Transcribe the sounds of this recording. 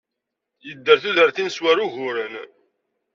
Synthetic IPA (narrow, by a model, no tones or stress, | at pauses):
jəd̪ːəɾθuðəɾθinswæɾuʝʊɾən